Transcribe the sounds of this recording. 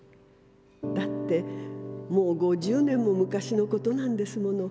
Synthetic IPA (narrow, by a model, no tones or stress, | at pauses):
d̪at̪ːe̞mo̞ːɡo̞ʑɨːnẽ̞mːo̞mɯ̟kaɕino̞ko̞t̪o̞nãnd̪e̞sɨmo̞no̞